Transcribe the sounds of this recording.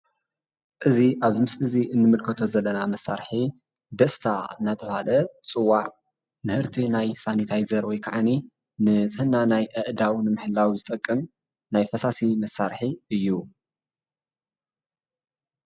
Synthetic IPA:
ʔɨziʔaβzɨmɨsʔɨziʔɨnːɨmɨlkʰɐt̪ʰozɐlːɐnamɐsːa̰ɾħi | d̪ɐst̪ʰa̰ɨnːat̪ʰɐβhalɐt͡sʼɨwːaʕ | mɨhɨɾt̪ʰinajsanit̪ʰajzɐɾwɔjkʰaʕani | nɨt͡sʼɨhɨnːanajʔɨʔd̪awnɨmɨħɨlːawzɨt̪ʼɐkʼːɨm | najfɐsasimɐsːaɾħiɨjːu

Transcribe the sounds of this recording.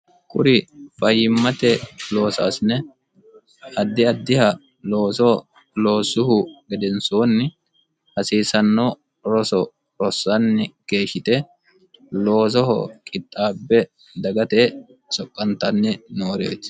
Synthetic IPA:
kʼʊɾɪfɐjːɪmːɐt̪ɛlo̞ːsa̰ːsɪnɛ | ɐd̪ːɪɐd̪ːɪhɐ | lo̞ːsɔ | lo̞ːsʊhʊɡɛd̪ɛnsoːnːɪ | hɐsiːsɐnːɔ | ɾɔsɔ | ɾɔsːɐnːɪke̞ːʃːɪt̪ɛ | lo̞ːs̬ɔɦɔ̰kʼɪt̪ʼːaːbːɛ | d̪ɐɡɐt̪eː | sɔkʼːɐnt̪ɐnːɪnoːɾḛːt̪

